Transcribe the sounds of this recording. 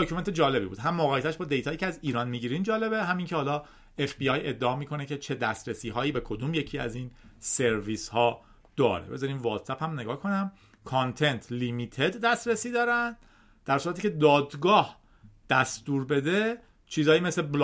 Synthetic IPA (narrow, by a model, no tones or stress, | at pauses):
d̪okʰume̞nt̪ʰed͡ʒɒːle̞bḭːbṵːd̪ɦæmːoɣæjet̪ʰæʃbɒːd̪e̞jt̪ʰɒːjiːcʰeæziːɾɒːnmiɟiːɾiːnd͡ʒɒːle̞beɦæmiːŋcʰe̞hɒːlɒː | efbiɒje̞d̪ːeɒːmiːkʰo̞ne̞cʰe̞t͡ʃʰe̞d̪æst̪ɾesiːɦɒːjiːbe̞kʰo̞d̪uːmje̞cʰiːæ̰ziːnse̞ɾviːshɒː | d̪̥ɒ̰ːɾḛbe̞̰zɒɾiːmvɒːd̪sæphæmne̞ɡɒːhkʰo̞næm | kʰont̪ʰe̞nt̪ʰlimit̪ʰe̞d̪ːæst̪ɾesiːd̪ɒːɾænd̪ | d̪̥æɾsuɾæt̪iːcʰe̞d̪ɒːd̪ɡɒːh | d̪̥æst̪uːɾbe̞d̪e̞ | t͡ʃʰiːzɒːjiːmeslebl